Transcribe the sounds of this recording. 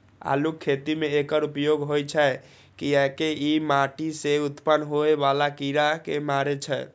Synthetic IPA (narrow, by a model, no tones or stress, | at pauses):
a̰lukʰːet̪imeekəɾupjoɡɦojt͡ʃʰɛ | kiɛkeimaʈiseut̪pənɦoebalakiɾakemaɾet͡ʃʰɛ